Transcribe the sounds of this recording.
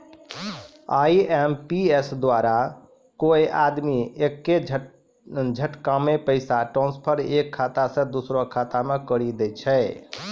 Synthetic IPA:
aiempiesd̪waɾa | kojʔad̪miekːe | d͡ʒʱəʈkamepəɪsaʈɾɔ̃nspʰəɾekʰːat̪asə̃d̪usɾokʰat̪amekəɾid̪ɛt͡ʃʰɛ

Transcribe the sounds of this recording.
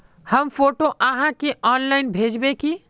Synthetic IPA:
həmpʰoːʈoʔaɦãkeʔɔːnlaɪnbʱeːd͡ʒbeki

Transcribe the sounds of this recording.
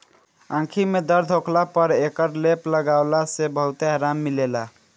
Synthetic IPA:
ãkʰimed̪əɾd̪ʱokʰlapəɾekəɾlepləɡaʊlasebəɦut̪eɦaɾamːilela

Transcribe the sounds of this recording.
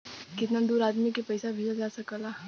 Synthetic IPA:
kɪt̪nad̪uːɾaːd̪mikepɐɪsabʱid͡ʒad͡ʒaːsɐkəlaː

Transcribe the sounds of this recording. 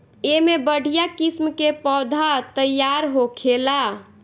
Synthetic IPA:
emebəɽ̤ʱijakismkepɔd̪ʱat̪əjaɾɦokʰela

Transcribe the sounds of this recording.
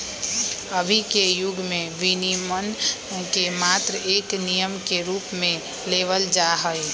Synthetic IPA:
əbʱikejʊɡʱmẽʋinimən | kemaːt̪ɾəeːknijəmkeɾuːpmẽ | leːʋəld͡ʒaɦəi

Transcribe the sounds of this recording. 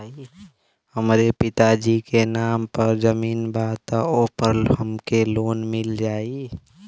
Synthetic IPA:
i | həmɾepɪt̪ad͡ʒikenaːmpəɾzəmiːnbaːt̪aoːpəɾɦəmkeloːnmɪld͡ʒaːi

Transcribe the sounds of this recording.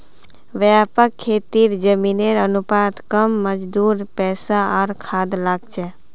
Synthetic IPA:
ʋjaːpəkʰːeːt̪iːɾd͡ʒəmineɾənʊpaːd̪kəmːəd͡ʒd̪uːɾpɛːsaɔːɾkʰaːd̪laːɡ̚t͡ʃɛː

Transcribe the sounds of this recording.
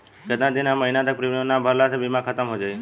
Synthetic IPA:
kəd̪nãd̪inaməɦinat̪ək̚pɾimionabʱəɾlat̪ʰebimãkʰət̪əmɦod͡ʒaj

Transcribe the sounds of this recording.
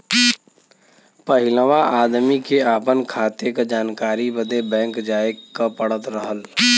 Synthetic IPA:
pəɦɪləʋaʔaːd̪mikeaːpənkʰaːt̪jekd͡ʒaːnkaːɾibəd̪ebɛ̃ːŋkd͡ʒaːekapəɽ̤ət̪ɾəɦəl

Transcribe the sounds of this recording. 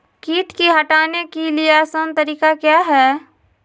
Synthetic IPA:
kiːʈkiɦɐʈaːnekelieɛːsənt̪ɐɾiːkakjaːɦɛː

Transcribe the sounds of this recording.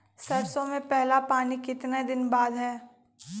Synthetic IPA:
sɐɾsõmẽpɛɦlapaːnikɪt̪ned̪ɪnbaːd̪ɦɛː

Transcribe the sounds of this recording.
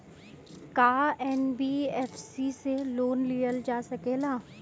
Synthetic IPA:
kaːɛːnbiːɛːfʰsiseloːnlijəld͡ʒaːsɐkeːlaː

